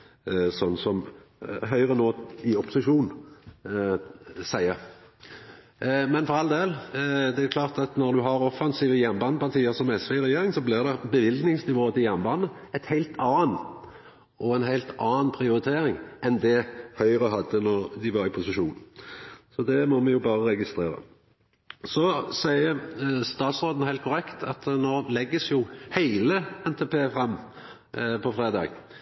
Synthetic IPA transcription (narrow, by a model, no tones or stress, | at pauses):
sɔnːsɔmɦœʏʁənoːɪɔpʊsɪʂuːn | sæɪə | mɛnfɔʁɑld̪eːld̪ɛækʰlɑːʁt̪ɑt̪nɔʁd̪ʉɦɑɾɔfɑnsiːʋəjɛnːbɑːnːəpɑʁt̪ʰiːəsɔmɛsʋeʁɛjeːɾɪŋsɔblɪʁd̪ɛbəʋɪld̪nɪŋsnɪʋoːt̪ɪjɛnːbɑːnːəɛt̪hæɪlt̪ʰɑːn | ɔɛnɦæɪlt̪ʰɑːnpʰɾɪʊɾɪt̪ʰeːɾɪŋɛnd̪ɛhœʏʁəɦɑd̪ːənɔʁd̪ɪʋɑɾɪpʰʊsɪʃuːn̩sɔd̪ɛmɔmɛjʊbɑːʁəɾɛɡɪst̪ɾeːɾə̰ | sɔsæɪəst̪ɑːt̪sʁoːd̪n̩əhæɪlt̪kʊɾɛkt̪ʰɑt̪noːlɛɡːəsjʊhæɪləɛnt̪ʰɛpʰeːfɾɑmː | pʰɔfʁɾeːd̪ɑ̰ːɡ